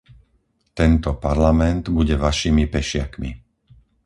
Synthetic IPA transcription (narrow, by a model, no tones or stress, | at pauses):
t̪ɛnt̪ɔpaɾlamɛnd̪buɟɛʋaʃiːmipɛʃɪakmḭ